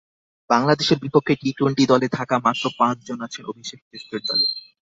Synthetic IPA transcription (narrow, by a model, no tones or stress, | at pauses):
baŋlad̪eʃeɾbipokʰːeʈiʈuɳʈid̪ɔlet̪ʰakamat̪ːɾopãt͡ɕd͡ʑonat͡ɕʰenobʱiʃek̚ʰt͡ɕest̪ɾeɾd̪ɔ̰le